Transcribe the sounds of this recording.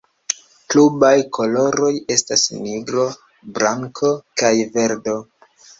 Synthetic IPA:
klubajkʰo̞lo̞ɾo̞je̞stasniɡɾo̞ | bɾaŋkʰo̞kajve̞ɾdo̞

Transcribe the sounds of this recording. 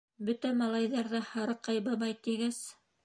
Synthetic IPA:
bɵt̪æmɑlˠɑjðɑɾðɑhɑɾɤqɑjbɑbɑjt̪iɡæz

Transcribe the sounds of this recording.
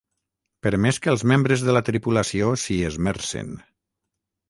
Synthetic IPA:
pəɾmeskəːlˠzmembɾəzðələt̪ɾipulasiosiəzmɛɾsḛn

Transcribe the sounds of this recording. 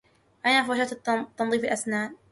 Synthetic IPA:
ʔajnaːfawaʃat̪t̪ːɑnðˤiːfalʔasnaːn

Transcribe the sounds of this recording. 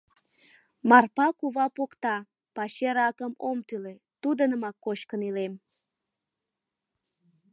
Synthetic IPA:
mɑrpɑkuβɑpokt̪ɑ | pɑɕeɾɑkəmomt̪yle | t̪ud̪ənəmɑkːoʃkənilem

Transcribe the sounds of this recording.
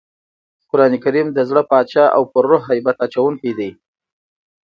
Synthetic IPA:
kʊɾɑnikaɾimd̪əzɽəpɑt͡ʃɑʔa̰wpəɾːoɦajbat̪at͡ʃawuŋkid̪aj

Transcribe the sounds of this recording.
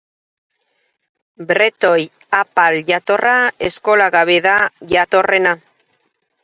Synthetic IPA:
bɾe̞t̪o̞j | apalʝat̪o̞raesko̞laɣaβe̞ðaʝat̪o̞re̞na

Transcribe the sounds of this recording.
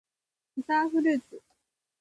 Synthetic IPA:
ɯt̪aɸɯ̟ɾɯːt͡sɨ

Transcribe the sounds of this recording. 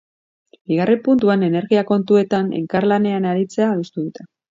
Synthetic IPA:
biɣ̞arʔe̞mpunt̪uane̞ne̞ɾɣiako̞nt̪ue̞t̪ane̞̰ŋkaɾlane̞anaɾit͡se̞aːðust̪uðut̪e̞

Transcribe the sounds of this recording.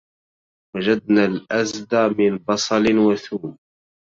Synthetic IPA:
wad͡ʒad̪̚naːlʔazd̪aːmɪnbɑsˤɑlɪnwaθuːm

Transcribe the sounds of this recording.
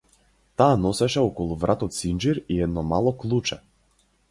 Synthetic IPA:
t̪aːnɔsɛʃɛɔkɔlˠuvɾʔat̪ɔt̪sind͡ʒiɾiɛd̪nɔmalˠɔklˠut͡ʃɛ

